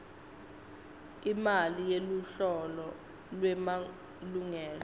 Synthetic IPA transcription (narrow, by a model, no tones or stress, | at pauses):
imalijeluɬɔlɔ | lwɛma | luŋɛːlɔ